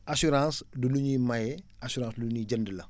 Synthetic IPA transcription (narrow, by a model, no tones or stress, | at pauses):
asuɾãːsduluɲimajɛasuɾãːsduluɲid͡ʒɐndəlɐ